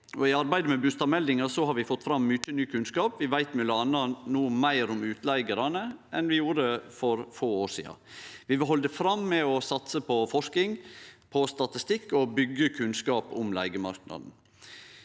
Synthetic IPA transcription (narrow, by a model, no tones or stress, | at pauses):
ɔɪɑɾbæɪd̪əmɛbʉst̪ɑmɛld̪ɪŋɑsɔhɑɾʋɪfɔt̪ːfɾɑmːʏt͡ʃːənyːkʰʉnskɑːpʋɪʋæɪt̪mɪləɑnːɑnuːəmæɪɾʊmʉːt̪læɪɡəɾɑnəɛnʋɪjuːɾəəfɔɾfoːoːʂḭːɑ̰ʋɪʋɦɔld̪əfɾɑmːɛɔsɑt̪səpʰɔfɔʂkɪŋpʰɔst̪ɑt̪ɪst̪ɪkːɔbʏɡəkʰʉnskɑːpʊmlæ̰ɪɡəmɑɾknɑ̰d̪n̩